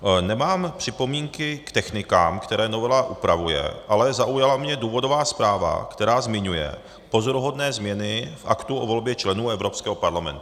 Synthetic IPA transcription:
nɛmaːmpr̝̥ɪpo̞miːŋkɪkt̪ɛxnɪka̰ːmkt̪ɛɾɛːno̞vɛlaʔupɾavujɛ̰ʔalɛzaʔujalamɲɛduːvo̞dovaːspɾaːva̰kt̪ɛɾaːzmɪɲujɛ̰ | po̞zoɾuɦodnɛːzmɲɛnɪfʔa̰kt̪uʔovo̞lbjɛt͡ʃlɛnuːɛvɾo̞pskɛːɦopaɾlamɛ̰nt̪u

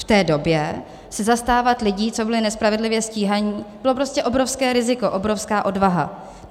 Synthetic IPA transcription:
ft̪ɛːdo̞bjɛ | sɛzast̪aːvat̪lɪɟiːt͡so̞bɪlɪnɛspɾavɛdlɪvjɛsciːɦaɲiːb̥ɪlo̞pɾoscɛʔo̞bɾofskɛːɾɪzɪko̞ʔo̞bɾofskaːʔo̞dvaɦa̰

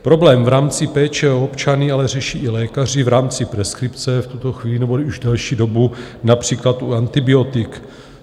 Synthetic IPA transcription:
pɾo̞blɛːmvɾaːmt͡sɪpɛːt͡ʃɛopt͡ʃanɪalɛrɛʃiːʔɪlɛːkar̝ɪvɾaːmt͡sɪpɾɛskɾɪpt͡sɛft̪ut̪o̞xviːlɪnɛbouʒdɛlʃiːdo̞bunapr̝̥iːklat̪ʔuant̪ɪbɪo̞t̪ɪk

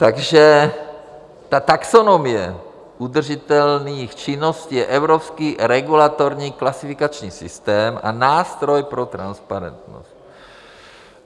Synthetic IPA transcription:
t̪aɡʒɛ | t̪at̪aksonomiɛ | ʔud̪r̩ʒit̪ɛlniːxt͡ʃinosciːjɛʔɛwɾopskiːɾɛɡulat̪oɾɲiːklasifikat͡ʃɲiːsist̪ɛːma̰naːst̪ɾojpɾot̪ɾanspaɾɛ̰nt̪no̰st̪

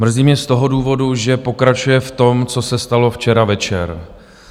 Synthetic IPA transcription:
mr̩ziːmɲɛst̪o̞ɦo̞duːvo̞duʒɛpo̞kɾat͡ʃujɛft̪o̞mt͡so̞sɛst̪alo̞ft͡ʃɛɾavɛt͡ʃɛɾ

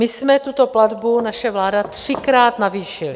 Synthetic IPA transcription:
mɪsmɛt̪ut̪o̞plad̪bunaʃɛvlaːdat̪r̥ɪkɾaːt̪naviːʃɪlɪ

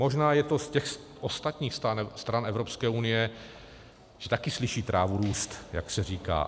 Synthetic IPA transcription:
mo̞ʒnaːjɛt̪o̞scɛxsʔost̪at̪ɲiːxst̪anst̪ɾanɛvɾopskɛːʔunɪjɛ | ʒ̥ɛt̪akɪslɪʃiːt̪ɾʔaːvuɾuːst̪ja̰ksɛriːka̰ː

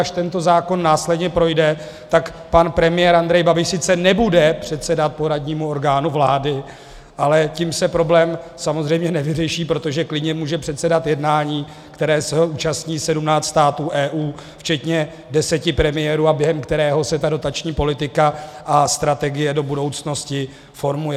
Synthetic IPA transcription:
aʃt̪ɛnt̪o̞zaːko̞nːaːslɛdɲɛpɾo̞jdɛ | t̪akpanpɾɛmɪjɛːɾand̪ɾɛjbabɪʃsɪt̪t͡sɛnɛbudɛpr̝̥ɛt̪sɛdat̪̚po̞ɾadɲiːmuo̞ɾɡaːnuvlaːdɪ | ʔalɛciːmsɛpɾo̞blɛːmsamo̞zrɛjmɲɛnɛvɪrɛʃiːpɾo̞t̪oʒɛklɪdɲɛmuːʒɛpr̝̥ɛt̪sɛdat̪jɛdnaːɲiː | kt̪ɛɾɛːsɛɦoʔuːt͡ʃast̪ɲiːsɛdumnaːt͡sst̪aːt̪uːʔɛːʔuː | ft͡ʃɛt̪ɲɛ | dɛsɛcɪpɾɛmɪjɛɾuːabjɛɦɛmkt̪ɛɾɛːɦo̞sɛt̪ado̞t̪at͡ʃɲiːpo̞lɪt̪ɪkaʔast̪ɾat̪ɛɡɪjɛdo̞budo̞wt͡sno̞scɪ | fo̞ɾmujɛ

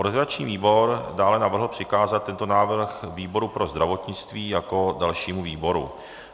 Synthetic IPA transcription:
ɾɛzɪlat͡ʃɲḭːviːbo̞ɾdaːlɛnavr̩ɦl̩pr̥ɪkaːzat̪̚ːɛnt̪onaːvr̩xviːbo̞ɾupɾʔo̞zd̪ɾavo̞t̪ɲɪt͡st̪viːjako̞dalʃiːmuviːbo̞ɾṵ

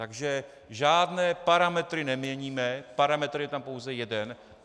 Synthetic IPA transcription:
t̪aɡʒɛ | ʒaːdnɛːpaɾamɛt̪ɾɪnɛmɲɛɲiːmɛpaɾamɛt̪ɾjɛt̪ampowzɛjɛdɛn

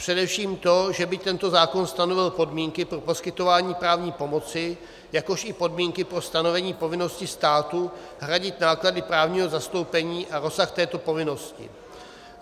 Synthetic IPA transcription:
pr̥ɛdɛfʃiːmt̪o̞ʒɛbɪt̪ɛnt̪o̞zaːko̞nst̪ano̞vɪlpo̞dmiːŋkɪpɾo̞po̞skɪt̪o̞vaːɲiːpɾaːvɲiːpo̞mo̞t͡sɪ | jako̞ʃɪpo̞dmiːŋkɪpɾo̞st̪ano̞vɛɲiːpo̞vɪno̞scɪst̪aːt̪u | ɦɾaɟɪt̪naːkladɪpɾaːvɲiːɦo̞zast̪o̞wpɛɲiːʔaɾo̞saxt̪ɛːt̪o̞po̞vɪno̞scɪ̰

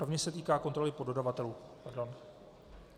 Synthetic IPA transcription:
ovɲɛsɛt̪iːkaːko̞nt̪ɾo̞lɪpo̞do̞davat̪ɛluːpaɾdo̞n

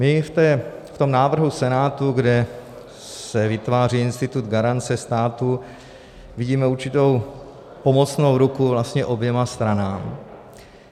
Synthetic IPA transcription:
mɪft̪ɛːft̪o̞mnaːvr̩ɦusɛnaːt̪uɡdɛ | sɛvɪt̪vaːriːɪnst̪ɪt̪ud̪ɡaɾant͡sɛst̪aːt̪u | vɪɟiːmɛuɾt͡ʃɪt̪o̞w | po̞mo̞t͡sno̞wɾukuvlast̪ɲɛʔo̞bjɛmast̪ɾanaːm

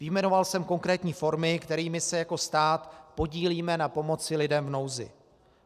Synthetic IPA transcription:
vɪjmɛno̞valsɛmko̞ŋkɾɛːt̪ɲiːfo̞ɾmɪkt̪ɛɾiːmɪsɛjako̞st̪aːt̪po̞ɟiːliːmɛnapo̞mo̞t͡sɪlɪdɛmvno̞wzɪ̰

